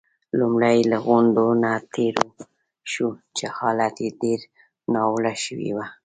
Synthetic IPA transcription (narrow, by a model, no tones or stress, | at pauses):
lumɽajlaɣʊnd̪onat̪ʰeɾo | ʃut͡ʃehɑlat̪jeɖeɾ | nɑwlaʃəwḭwa